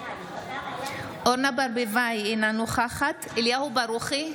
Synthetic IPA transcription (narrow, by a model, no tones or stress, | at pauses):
ʔoɾnabaɾbevajenanuχaχat̪ | eljahubaɾuχi